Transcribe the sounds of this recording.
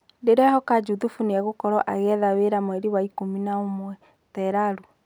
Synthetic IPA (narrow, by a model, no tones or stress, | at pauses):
deɾɛhɔkad͡ʒuðufuneaɣokɔɾɔʔaɣɛðaweɾamwɛɾiwaikominaomwɛ | tɛɾaɾu